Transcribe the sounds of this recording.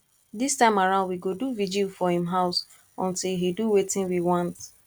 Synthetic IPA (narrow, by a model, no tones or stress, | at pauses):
distãɪ̃maɹãʊndwiɡoduvid͡ʒilfɔhĩmɦaʊs | ɔ̰̃ntilɦiduwetɪ̃nwiwãnt